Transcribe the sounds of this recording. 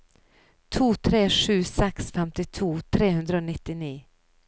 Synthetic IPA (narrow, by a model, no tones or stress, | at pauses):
t̪ʰuːt̪ʰɾeːʂʉ̟ːsɛksfɛmt̪ɪt̪ʰuːt̪ʰɾeːhɵnd̪ɾəoːnɪt̪ːɪniː